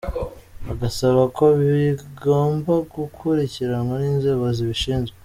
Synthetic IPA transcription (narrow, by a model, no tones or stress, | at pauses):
aɡasaβako̞βiɡo̞ːmbaɡukʰuɾiciɾaŋɡaniːnze̞ːβo̞ziβiʃiːnzɡwe